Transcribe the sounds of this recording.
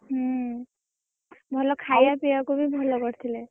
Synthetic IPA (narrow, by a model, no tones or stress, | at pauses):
ɦ | bʱɔlɔkʰajapiakubʱibʱɔlɔkɔɾt̪ʰilɛ